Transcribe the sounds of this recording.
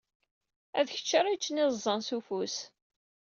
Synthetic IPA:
æðçə̥t͡ʃːəɾˤit͡ʃːənizˤːənsufus

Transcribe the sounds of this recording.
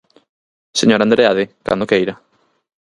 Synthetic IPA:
seɲoɾand̪ɾeaðɪka̰nd̪okejɾa

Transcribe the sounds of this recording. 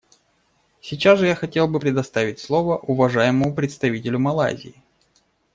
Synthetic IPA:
sʲɪt͡ɕasʐɨjaxɐtʲe̞lˠbɨpɾʲɪd̪ɐst̪avʲɪtʲslˠovəʔʊvɐʐajɪməmʊpɾʲɪt̪st̪ɐvʲitʲɪlʲʊmɐlˠa̰zʲɪ̰ɪ

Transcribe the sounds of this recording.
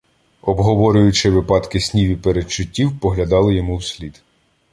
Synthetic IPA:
ɔbɦɔʋɔɾʲʊjʊt͡ʃɪʋɪpɑt̪kɪsʲnʲiʋʲipeɾet͡ʃːʊtʲːiwpɔɦlʲɐd̪ɑlˠɪjɔmuwsʲlʲid̪̥

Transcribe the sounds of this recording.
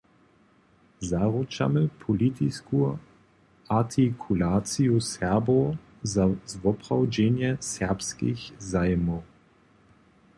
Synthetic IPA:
zaʁut͡ʃa̰mɛpʰɔlit̪isku | at̪ʰikʰulaːt̪sijusɛʁbo | zazvɔpʁawd͡ʒɛnjɛsɛʁpskḭxzajmɔw

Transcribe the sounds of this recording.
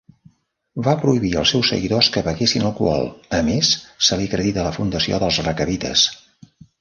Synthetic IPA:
βapɾuiβiə̰lˠsːɛwsːə̰ɣiðoskəβəɣesinəlˠkwɔ̰lˠəmesːəliəkɾəðit̪ələfund̪əsio̰ðəlˠzrəkəβit̪ə̰s

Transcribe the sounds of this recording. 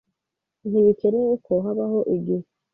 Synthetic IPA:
niβiceneekʰoɦaβahoʔiɟi

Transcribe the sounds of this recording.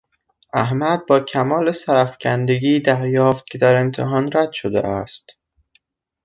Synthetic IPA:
ʔæɦmæd̪̚bɒːcʰæmɒːlesæɾæfcʲʰænd̪e̞ɡiːd̪æɾjɒːft̪̚cʰe̞d̪æɾe̞mt̪ʰeɦɒːnɾæd̪̥ʃod̪ḛʔæst̪

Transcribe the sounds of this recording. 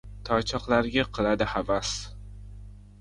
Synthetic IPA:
t̪ʰɒt͡ʃʰɒqlˠaɾɡʲaqʰɨlˠad̪ɪhavas

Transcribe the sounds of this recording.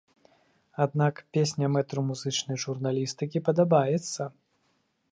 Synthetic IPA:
ad̪nakpʲesʲnʲɐmɛt̪ɾumuzɨt͡ʂnɐjʐurnalʲist̪ɨkʲipɐd̪abajɛt̪sːɐ

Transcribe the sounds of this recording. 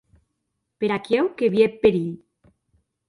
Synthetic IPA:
peɾakjewkeβjepːeɾiʎ

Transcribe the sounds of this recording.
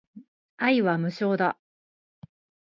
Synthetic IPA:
aiβamɯ̟ɕo̞ːd̪a

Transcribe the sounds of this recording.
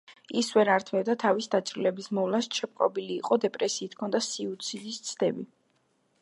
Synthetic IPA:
isvɛɾaɾt̪ʰmɛbd̪at̪ʰavisd̪at̪sʼɾilɛbismɔvlast͡ʃʰɛp̚qʼɔ̰biliːqʼɔd̪ɛpʼɾɛsiːt̪ʰkʰɔnd̪asiut̪sʰid̪ist̪sʰd̪ɛbi

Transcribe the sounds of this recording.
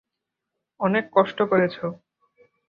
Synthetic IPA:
ɔnekːɔʃʈokoɾet͡ɕʰo

